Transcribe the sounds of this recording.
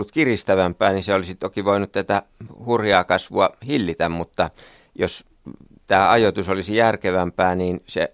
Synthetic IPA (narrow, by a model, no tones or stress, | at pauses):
lːut̪kirist̪æʋæmpˑæːniseolisit̪okiʋoˑinut̪t̪æt̪æhurjɑːkɑsʋuɑhilːit̪æmmut̪ːɑ | jos | t̪æːɑjot̪usolisijærkeʋæmpæːniːnsḛ